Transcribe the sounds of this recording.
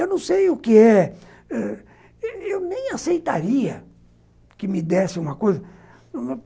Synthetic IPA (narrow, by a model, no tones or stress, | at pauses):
ewnɐ̃w̃sejʊkɪɛ | ɛ | ewnẽj̃asejt̪aɾiɐ | kɪmɪd̪ɛsɪũmɐkojzɐ